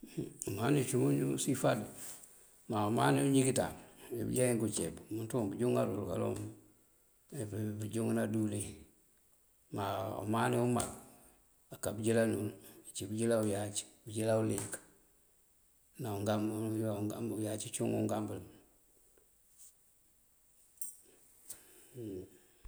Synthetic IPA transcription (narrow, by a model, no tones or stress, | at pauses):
umanit͡ʃumuɲusifad | maumaːniuɲikita̰mḭbḭɟaiŋkut͡ʃebmuntumbuɟuŋaɾulka̰lo̰m | bbiɟuŋnadule | maṵmaniuma̰l | akːabiɟilanulit͡ʃibiɟilaujat͡ʃbiɟilaulik | nauŋɡamɡajat͡ʃit͡ʃuŋṵŋɡambəl